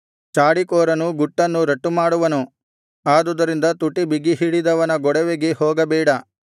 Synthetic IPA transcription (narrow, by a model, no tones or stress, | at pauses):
t͡ʃaːɽikɔːɾɐnuɡuʈːɐnːuɾɐʈːumaːɽuʋɐnu | aːd̪ud̪ɐɾind̪ɐt̪uʈːibiɡiɦiɽid̪ɐʋɐnɐɡɔɽɛʋeɡehɔːɡɐbɛːɽɐ